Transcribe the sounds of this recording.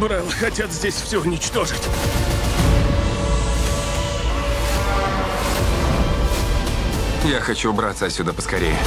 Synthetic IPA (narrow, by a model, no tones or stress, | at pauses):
bɾalˠxɐtʲat̪zʲdʲesʲfsʲɵʊnʲɪt͡ɕt̪o̞ʐɨtʲ | jaxɐt͡ɕubɾat̪səɐsʲːud̪əpəskɐɾʲejʊ